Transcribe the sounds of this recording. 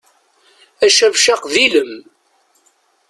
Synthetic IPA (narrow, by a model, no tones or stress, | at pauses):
æʃævʃaqðiləm